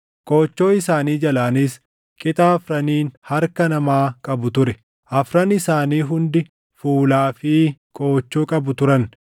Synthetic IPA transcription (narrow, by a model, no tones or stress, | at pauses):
kʼo̞ːt͡ʃːo̞ːɪsaːniːd͡ʒɐlaːnis | kʼɪt̪ʼaːfɾɐniːnhɐɾkɐnɐmaːkʼɐbʊt̪ʊɾɛ | ʔɐfɾɐnɪsaːniːɦʊnd̪ɪ | fuːlaːfiːkʼo̞ːt͡ʃːoːkʼɐbʊt̪ʊɾɐn